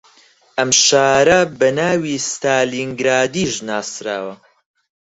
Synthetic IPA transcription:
ʔɐmʃaːɾɐbɐnaːwist̪aːliŋɡɾaːd̪iːʒnaːsɾa̰ːwɐ

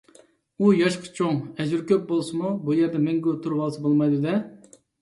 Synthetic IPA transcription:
ujɑʃqʰɑ̥t͡ʃʰoŋɛd͡ʒyɾkʲøp̚bolˠsɨmubujɛɾd̪ɛmɛŋɡʲot̪ʰuɾwɑlˠsɨbolˠmɑjd̪ud̪ɛ

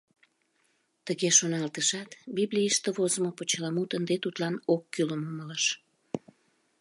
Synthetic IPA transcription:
t̪əɣeʃonɑlt̪əʃɑt̪biβlʲijiʃt̪əβozəmopot͡ɕəlɑmut̪ənd̪et̪ut̪lɑnokːyləmomələʃ

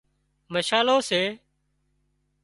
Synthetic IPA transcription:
məʃaːlõːseː

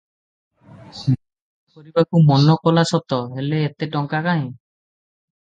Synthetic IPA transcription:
kɔɾibakumɔnɔkɔlasɔt̪ɔɦeleːt̪eʈɔŋkakaɦj̃

